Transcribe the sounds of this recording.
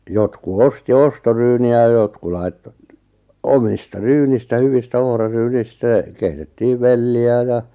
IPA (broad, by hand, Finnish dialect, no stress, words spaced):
jotku osti ostoryːniæ j̆ɑ̆ jotku lɑi̞tːo omistɑ ryːnistæ hyʋistæ ohrɑryːnistæ keitetːiːʋ ʋelːiæ jɑ